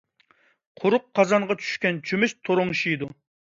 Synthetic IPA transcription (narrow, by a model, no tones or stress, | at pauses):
qʰʊɾʊqʰːɑzɑɴʁɑt͡ʃʰy̥ʃkʲɛnt͡ʃʰymɪʃt̪ʰoɾoŋʃijid̪u